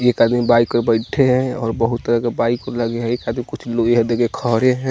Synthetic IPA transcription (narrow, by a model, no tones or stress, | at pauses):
ekad̪mibaikəɾbəɪʈʰeɦɛ̃ɔ̰ːɾbəɦut̪ːəɾəkebaikəɾləɡeɦɛ̃ekad̪mikʊt͡ʃʰloeɦɛd̪eɡekʰəɦɾeɦɛ̃